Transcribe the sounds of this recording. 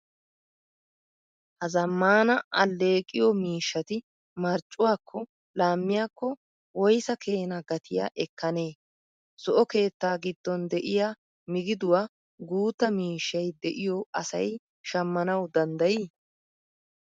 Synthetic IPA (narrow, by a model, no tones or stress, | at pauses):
hɐzɐmːaːnɐʔɐlːe̞ːkʼːɪjɔmiːʃːɐt̪ɪ | mɐɾt͡ʃʼːʊwaːkʰːɔ | laːmːɪjaːkːɔ | wɔjsɐke̞ːnɐɡɐt̪ʰɪja̰ʔɛkːɐne̞ː | sɔʔɔke̞ːt̪ːaːɡɪd̪ːɔnd̪ɛʔɪja | mɪɡɪd̪ʊwaː | ɡuːt̪ːɐmiːʃːɐjd̪ɛʔɪjɔɐsɐ̰j | ʃɐmːɐnɐwd̪ɐnd̪ɐjiː